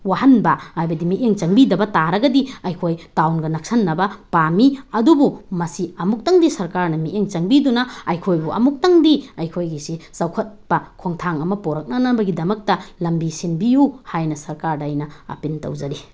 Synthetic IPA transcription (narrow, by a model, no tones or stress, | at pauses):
wahɐnbɐhajbɐdimiʔeŋt͡ʃɐŋbidɐbɐtaɾɐɡɐdiɐjkʰojtawnɡɐnɐk̚sɐnːɐbɐpamiɐdubumɐsiɐmuk̚tɐŋdisɐɾkaɾnɐmiʔeŋt͡ʃɐŋbidunɐɐjkʰojbuʔɐ̰muk̚tɐŋdiɐjkʰojɡisisɐwkʰɐt̚pɐkʰoŋtʰaŋɐmɐpoɾɐk̚nɐnɐbɐɡidɐmɐk̚tɐlɐmbisinbijuhajnɐsɐɾkaɾdɐjnɐɐ̰pintɐ̰wd͡ʒɐɾi